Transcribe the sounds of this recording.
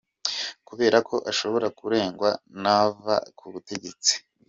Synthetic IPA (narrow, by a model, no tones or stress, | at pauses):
kuβe̞ːɾakʰo̞ʔaʃo̞βo̞ɾakuɾe̞ːŋɡwanava̰kʰuβute̞ɟe̞t͡si̥